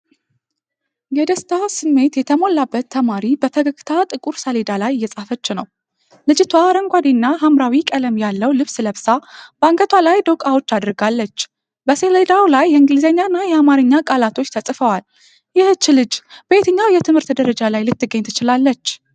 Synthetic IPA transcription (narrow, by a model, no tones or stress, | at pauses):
jɛd̪əst̪ʰasɨmːe̞t̪jɛt̪ʰəmo̞lːabːət̪ʰːəmaɾibəfʰəɡəkʼːt̪ʰat̪ʼɨkʼuɾsəled̪alajjːɛsʼafət͡ʃːɪnəw | lɨd͡ʒɪt̪ʰwaɾəŋɡʷad̪inːaɦamɾawikʼələmjalːəwlɨβsɨləβsab̥əaŋɡət̪ʰwalajd̪əwkʼawo̞t͡ʃːad̪ɨɾɡalːət͡ʃː | bəseled̪awlajːɛɨŋɡɨlizəɲːanːajɛamaɾɨɲːakʼalat̪ʰo̞t͡ʃːt̪ʰəsʼfəwal | jɪht͡ʃːɪlɨd͡ʒb̥əet̪ʰəɲːawjɛt̪ʰɨmhɨɾt̪d̪əɾəd͡ʒalajlɨt̪ːɨɡːəɲt̪ʰɨt͡ʃɪlalːət͡ʃː